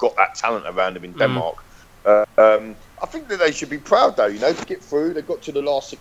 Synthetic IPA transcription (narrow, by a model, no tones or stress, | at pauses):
ɡ̥ɒʔðə̰tʰalə̃ntə̰ɹãʊ̃ndə̃mɪ̃ndɛ̃nmɑ̰ˑk | ʌ̃m | ʔaɪθɪ̃ŋk̚ðəʔðeɪʃəd̚bipʰɹ̥aʊd̪̚ðəʊjənəʊtʰəɡɛtfɹʉːðeɪɡɒtʰəðəlɑˑstɛ